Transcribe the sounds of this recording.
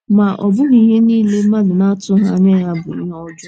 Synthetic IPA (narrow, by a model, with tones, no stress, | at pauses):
ma˨ʔɔ˨bʊ˦ɣi˨˦ɦe˦niː˦le˦ma˦dʊ˨na˦tʊ˦ɦa˦˨ɲa˦ja˦bʊ˨i˦ɦɔ˦d͡ʒʊ˦